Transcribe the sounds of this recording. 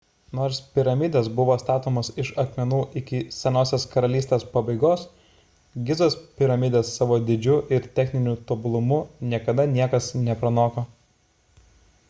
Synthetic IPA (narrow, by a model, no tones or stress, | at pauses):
noːɾspʲɪɾɐmʲɪd̪ʲeːsbʊʋoːst̪ɑːt̪oːmɐsɪʃɐkmʲɛnuːʔɪkʲɪsʲɛnoːsʲeːskɐɾɐlʲiːsʲt̪ʲeːspɐbɐɪɡoːs | ɡʲɪzoːspʲɪɾɐmʲɪd̪ʲeːsːɑːʋoːd̪ʲɪd͡ʒʲʊʔɪɾt̪ʲɛxʲnʲɪnʲuːt̪obʊlˠʊmʊnʲiɛkɐd̪ɐnʲiɛkɐsnʲɛpɾɐnoːkoː